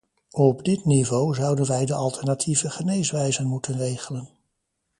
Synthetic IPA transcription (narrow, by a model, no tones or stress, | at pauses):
ɔbdɪtnivowzʌwdənʋɛjdəʔɑlˠtɛɹnatʰivəχənejsʋɛjzənmutənrejχələn